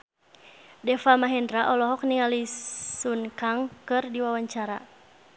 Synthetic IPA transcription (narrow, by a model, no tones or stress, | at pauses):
dɛfamaɦɛndɾaʔɔlɔɦɔk̚niŋalisunkaŋkɨrdiwawaɲt͡ʃaɾa̰